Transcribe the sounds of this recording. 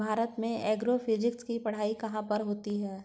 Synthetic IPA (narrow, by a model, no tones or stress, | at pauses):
bʱaːɾət̪mẽɛːɡɾofʰɪd͡ʒɪkskipɐɽ̤aːikɐɦãpɐɾɦoːt̪iɦɛː